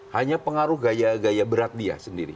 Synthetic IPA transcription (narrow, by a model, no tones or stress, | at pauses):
haɲapəŋaɾʊhɡajaɡajabəɾat̪̚dia̰səndiɾḭ